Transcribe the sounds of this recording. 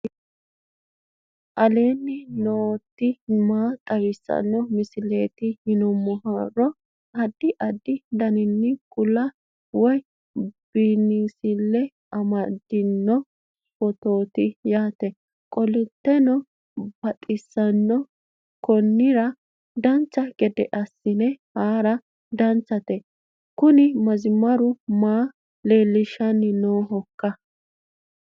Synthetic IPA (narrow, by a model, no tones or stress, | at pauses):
ʔɐle̞ːnːɪnoːt̪ːɪmaːt̪ʼɐwɪsːɐ̰nːɔmɪsɪleːt̪ɪhɪnɔmːɔharɔ | ɐd̪ːɪʔɐd̪ːɪd̪ɐnɪnːɪkʼʊlɐ | wɔj | b̥iːnːiːsɪlːɛ | ɐmɐd̪ɪnːɔ | wɔt̪oːt̪ɪjaːt̪ɛ | kʼɔlʊt̪ːɛnɔ | b̥ɐt̪ʼɪsːɐnːɔ | kɔnːɪɾɐ | d̪ɐnt͡sːɐɡɛd̪ɛʔɐsːɪnɛhaːɾɐ | d̪ɐnt͡sːɐt̪ɛ | kʊnɪmɐzɪmɐɾʊmaː | le̞ːlːɪʃɐnɪnoːɦɔkːɐ